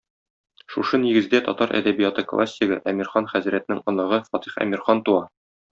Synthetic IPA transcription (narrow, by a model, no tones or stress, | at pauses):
ʃuʃɤniɡɘ̆zd̪æt̪ɒt̪ɑɾʔæ̰d̪æbijɑt̪ɤklˠʔa̰sʲːiɡɤ̰ʔæmʲiɾχɑnχæzɾæt̪ɘ̆nɘŋɒnɑʁɤfɒt̪iχæ̰miɾχɑnt̪uɑ